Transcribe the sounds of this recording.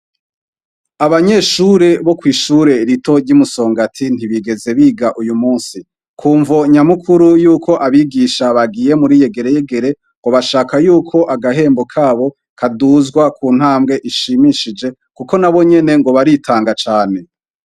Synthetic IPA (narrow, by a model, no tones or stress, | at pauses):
aβaɲe̞ʃuɾe̞βo̞kwiːʃuɾe̞ɾito̞ɟɟumuso̞ːŋɡatʰin̥iβiɡe̞ze̞βiːɡaʔujumuːnsi | kʰuːɱvoɲamukʰuɾujuːkʰo̞ʔaβiɡiːʃaβaɡiːje̞muɾije̞ɡe̞ɾe̞je̞ɡe̞ɾe̞ | ŋɡo̞βaʃaːkajuːkʰo̞ʔaɡaɦe̞ːmbo̞kʰaːβo̞ | kʰaduːzɡwakʰuːn̥haːmɡe̞ʔiʃimiʃid͡ʒe̞ | kuko̞naβo̞ɲe̞ne̞ŋɡo̞βaɾitʰaːŋɡat͡ʃaːne̞